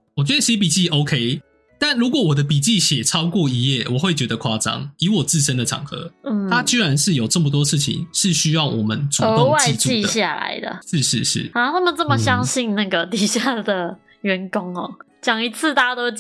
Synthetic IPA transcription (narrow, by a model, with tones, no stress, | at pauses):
wɔ˨˩t͡ɕɥɛ˧˥d̪ə˧ɕi˥p̬i˨˩t͡ɕi˥˩o˥ʊkʰe˥ɪ | t̪a˥˩nɻu˧˥kwɔ˨˩wɔ˨˩d̪ə˦pi˨˩t͡ɕi˥˩ɕjɛ˨˩ʈ͡ʂʰɑ˥ʊkwɔ˥˨i˥jɛ˥˩wɔ˨˩we˥˩ɪt͡ɕɥɛ˧˥˦d̪ə˧kʰwa˥˩ʈ͡ʂɑ̰˥˦ŋi˧˥wɔ˨˩t͡sɹ̩˥˩ʂə˦nd̪ə˨ʈ͡ʂʰɑ̰˨˩ŋxɤ̰˧˥n̩˥˩t̪ʰa˦˥t͡ɕi˥ɻa˧˦nʂɻ̩˥˩jo˨˩ʊʈ͡ʂə˥˩mə˩t̪̬wɔ˦˥ʂɻ̩˥˩t͡ɕʰḭ˨˦ŋʂɻ̩˥˨ɕy˥jɑ˥˩ʊwʔɔ̰˨˩mə̰˦nt͡su˨˩˧o˥ŋwa˥t͡ɕiɪ˧t͡sui˧˥˧dɕja̰˥˨la̰˨˧˦ɪd̪ə̰˨ʂɻ̩˥˧ʂɻ̩˥˧ʂɻ̩̰˥˩a˧t̪ʰa˥mə˨nt͡sə˥˩mə˨ɕjɑ˦ŋɕi˥˧nna˥˩ɡə˩t̪i˨˩ɕja˥˩d̪ə˩ | ɥɛ˧˦nkʊ˦ŋɔ̰˨˩ | t͡ɕjɑ˨˩ŋi˧˥t͡s̩ʰ˥˧t̪a˥˧t̪o˥